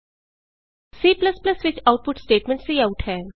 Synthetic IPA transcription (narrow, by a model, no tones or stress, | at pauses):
siːpləsplɐsʋɪt͡ʃaʊʈ̚pʊʈsʈeːʈmɛ̃ɳʈseaʊʈɦɛː